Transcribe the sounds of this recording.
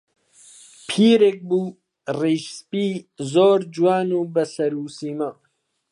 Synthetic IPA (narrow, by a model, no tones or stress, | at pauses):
pʰiːɾeːk̚buː | riʃspiːzoːɾd͡ʒuwaːnuːbɐsɐɾuːsiːmɐ